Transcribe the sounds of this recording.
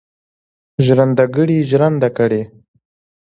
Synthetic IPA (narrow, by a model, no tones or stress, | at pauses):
ʒɾand̪aɡəɽiʒɾand̪akəɽe